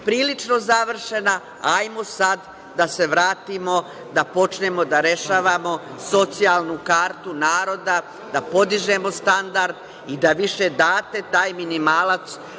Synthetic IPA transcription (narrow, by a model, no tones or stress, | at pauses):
pɾiːlit͡ʃno̞zaʋr̩ʃe̞na | ajmosad̪ː | ase̞ʋɾaːt̪imo̞ | d̪apo̞t͡ʃne̞mo̞d̪aɾe̞ʃaːʋamo̞so̞t̪sijalˠnukaːɾt̪unaːɾo̞d̪a | d̪apo̞d̪iʒe̞mo̞st̪and̪aɾd̪ | id̪aʋiʃe̞d̪aːt̪e̞t̪aːjminimaːlat̪s